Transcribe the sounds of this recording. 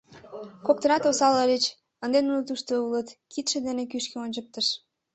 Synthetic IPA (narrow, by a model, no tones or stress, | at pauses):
kok̚t̪ənɑt̪osɑləɾet͡ɕ | ə̆nd̪enulət̪uʃt̪oulət̪kit̪ʃĕd̪enek̬yʃkeonʲt͡ɕəp̚t̪əʃ